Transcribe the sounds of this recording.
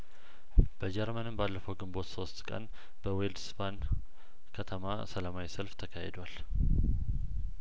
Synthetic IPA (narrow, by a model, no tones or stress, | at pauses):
b̥əd͡ʒɛɾmənɨmbalːəfəwɡɨmbo̞t̪so̞st̪kʼə̰n | b̥əweld̪sbʰan | kʰət̪ʰəma̰səlamawisəlft̪ʰəkʰahed̪oal